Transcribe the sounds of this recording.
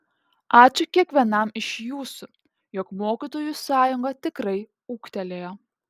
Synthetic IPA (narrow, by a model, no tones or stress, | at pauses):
ʔɑːt͡ʃʲʊkʲiɛkʋʲiɛnɐmɪʃjuːsʊ | jɔkmoːkʲit̪oːjusɑːjʊŋɡɐt̪ʲɪkɾɐɪ | uːkt̪ʲɛlʲeːjoː